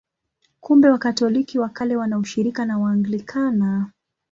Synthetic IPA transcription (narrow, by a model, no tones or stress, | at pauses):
kumbɛwakatɔlikiwakalɛwanauʃiɾikanawaːŋɡlikʰana